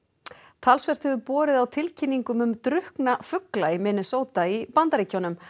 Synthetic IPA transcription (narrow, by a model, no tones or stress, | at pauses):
t̪ʰalsvɛr̥t̪hɛvʏpɔːɾɪðawt̪ʰɪlcʰinːiŋkʏmʏmt̪ɾʏhknafʏklaimɪːnɪsoːwt̪aipant̪aɾiːcʰawnʏm